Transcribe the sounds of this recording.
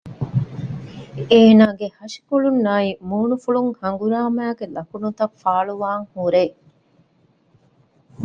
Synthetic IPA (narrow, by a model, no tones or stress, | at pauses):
eːnaːɡehɐʃi̥kuɭunːaːimuːnufuɭuŋhɐŋɡuɾaːmæːɡelɐkunut̪ɐfaːɭuʋaːŋhuɾeː